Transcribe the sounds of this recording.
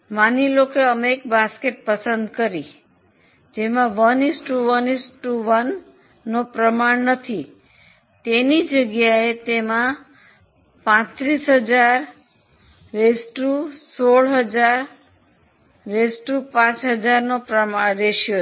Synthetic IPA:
manilokeəmek̚baskeʈ̚pəsənd̪kəɾi | d͡ʒemãʋənisʈuʋənisʈuʋənː | opɾəmaɳnət̪ʰi | t̪enid͡ʒəɡjaet̪emã | pãt̪ɾisɦəd͡ʒaɾ | ɾesʈusoɭɦəd͡ʒaɾ | esʈupãt͡ʃɦəd͡ʒaɾnopɾəmaɾeʃjo

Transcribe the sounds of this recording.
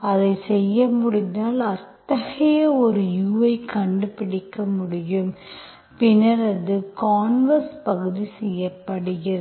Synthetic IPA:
ɐðɐɪsɛjːɐmʊɽɪnd̪aːlɐt̪ːɐɣɐjɐɔɾɯjuːʋɐɪkɐɳɖɯpɪɽɪkːɐmʊɽɪjɯm | pɪnɐɾɐðɯkaːnʋɐɾspɐɣɯðisɛjːɐpːɐɽɯɣɪɾɐ

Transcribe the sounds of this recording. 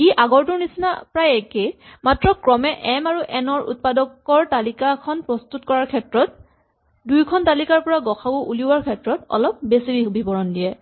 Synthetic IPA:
iʔaɡɔɹtʊɹnisina̰pɹajɛkematɹɔkɹɔmɛʔɛmaɹuʔɛnɔɹʔṵt̚padɔkɔɹtalikakʰɔnpɹɔstutkɔɹaɹkʰɛtɹɔt̚ | dujkʰɔntalikaɹpɔɹaɡɔxʰakʊʔuliwaɹkʰɛtɹɔtɔ̰lɔp̚besibʱibʱibɔɹɔndijɛ

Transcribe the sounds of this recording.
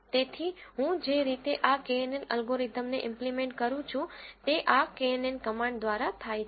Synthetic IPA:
t̪et̪ʰiɦũd͡ʒeɾit̪eʔakeenenəlɡoɾid̪ʱəmneʔɪ̃mplimẽɳʈkəɾũt͡ʃʰũt̪eʔakeenenkəmãɳɖd̪ʋaɾat̪ʰaj

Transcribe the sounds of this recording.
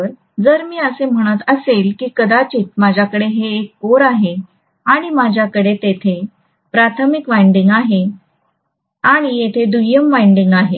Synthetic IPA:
ɾ | d͡zəɾmiːəsem̤əɽ̃ət̪əselkiːkəd̪at͡ɕiːt̪̚mad͡ʑʱjakəɽeɦeːkːoɾaɦe | aɽ̃imad͡ʑʱjakəɽet̪et̪ʰe | pɾat̪ʰəmikʋajɳɖiŋɡaɦe | aɽ̃ijet̪ʰed̪ujəmʋajɳɖiŋɡaɦe

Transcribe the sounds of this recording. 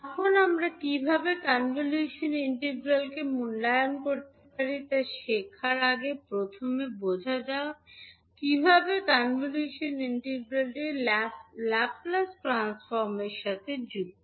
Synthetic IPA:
ɔkʰonamɾakibʱabekanvoleʃoniɳʈeɡɾalkemunɖajonkoɾt̪epaɾit̪aʃekʰaɾaɡepɾot̪ʰomebod͡ʑʱad͡ʑao | kibʱabekanvoleʃoniɳʈeɡɾalʈe | laplasʈɾansfɔɾmeɾʃat̪ʰed͡ʑuɡ̚

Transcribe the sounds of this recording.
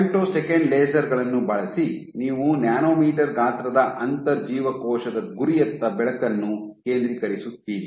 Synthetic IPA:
ɳʈoːsɛkɐɳɖleːsɐɾɡɐɭɐnːubɐɭɐsi | niːʋunjaːnoːmiːʈɐɾɡaːt̪ɾɐd̪ɐʔɐnt̪ɐɾd͡ʒiːʋɐkɔːʃɐd̪ɐɡuɾijɐt̪ːɐbɛɭɐkɐnːuke̞ːnd̪ɾikɐɾisut̪ːiːni

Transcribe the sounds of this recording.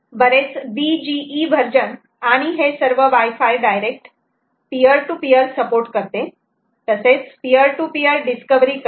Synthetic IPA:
bəɾet͡sbid͡ʑiːʋʱəɾd͡ʑən | aɽ̃iɦesəɾʋəʋajfajɖajɾek̚ʈ | pijəɾʈupijəɾsəpoɾʈkəɾt̪e | t̪əset͡spijəɾʈupijəɾɖiskəʋɾik

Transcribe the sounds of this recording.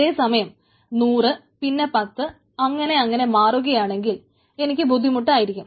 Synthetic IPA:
e̞ːsɐmɐjɐm | nuːrɨ | pinːe̞pɐt̪ːɨ | ɐŋːɐne̞ɐŋːɐne̞maːruɣɐjaːɳe̞ŋɡil | e̞nikʲːɨbud̪ʱːimuʈ̬ːaːjiɾikʲːum

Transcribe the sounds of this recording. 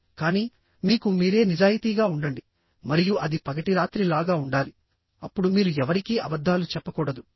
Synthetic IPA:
kaːniː | miːkumiːɾe̞ːnid͡ʒaːjit̪iːɡaːuɳɖɐɳɖi | mɐɾijuʔɐd̪ipɐɡɐʈiɾaːt̪ɾilaːɡaːuɳɖaːli | ɐpːuɽumiːɾuɛʋɐɾikiːʔɐbɐd̪ʱːaːlut͡ʃɛpːɐkɔːɽɐd̪u

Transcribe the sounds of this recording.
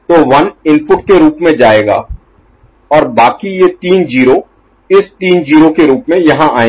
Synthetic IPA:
t̪oːʋɐnɪ̃npʊʈkeɾuːpmẽd͡ʒaːeːɡa̰ː | ɔːɾbaːkijet̪iːnd͡ʒiːɾo | ɪst̪iːnd͡ʒiːɾokeɾuːpmẽjɐɦãʔaːẽ

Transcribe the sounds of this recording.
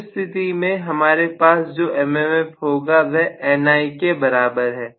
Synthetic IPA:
st̪ʰɪt̪imẽɦɐmaːɾepaːsd͡ʒoːʔɛːmɛmɛfɦoːɡaʋɛʔɛːnaːikebɐɾaːbəɾɦɛː

